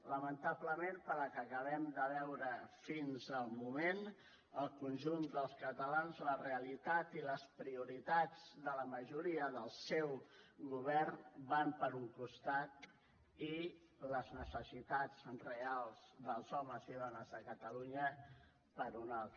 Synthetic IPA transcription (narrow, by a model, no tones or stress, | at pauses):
ləmənt̪abləmenpəɾləkəkəβ̞ɛmd̪əβɛwɾəfinzəlˠmumen | əlˠkunʒund̪əlˠskət̪əlanzləreəlit̪at̪iləspɾiuɾit̪ad͡zðələməʒuɾiəðəlˠsɛwɣuβɛrnbampəɾuŋkust̪at̪̚ | i | ləznəsəsit̪ad͡zrealˠz̥ðəlˠzɔməziβanəzəkət̪əluɲə | pəɾunalˠt̪ə